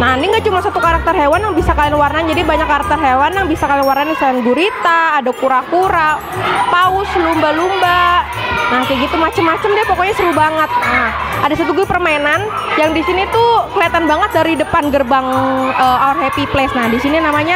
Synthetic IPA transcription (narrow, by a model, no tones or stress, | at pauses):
naniŋɡaʔt͡ʃumasat̪ukaɾak̚t̪ərɦewanjaŋbisakalianwarnand͡ʒadibaɲakːaɾak̚t̪ərɦewanjaŋbisakalianwarnanisaanɡuɾit̪aːdakuɾakuɾaʔ | paʊslumbalumba | nakaɡit̪umːat͡ʃəmːat͡ʃəmdiapokɔɲasəɾubaŋət̪̚nahadasat̪uɡupərmaenan | jaŋdisinit̪ukəliat̪anbaŋət̪̚daɾidəpanɡərbaŋəarɦepiplɛsnahdisininamaɲa